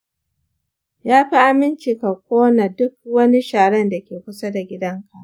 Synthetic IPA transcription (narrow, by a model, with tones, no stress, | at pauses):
jaː˦ɸi˦ʔa˨mɪ˦nt͡ʃiː˨ka˨kʷoː˦na˨dʊ˦k̚wɐ˦ni˦ʃaː˨ɽɛ˦nda˨kʲeː˨kʷʊ˦sa˦da˨ɡʲɪ˦dɐ˦ŋkʰa˨ʔ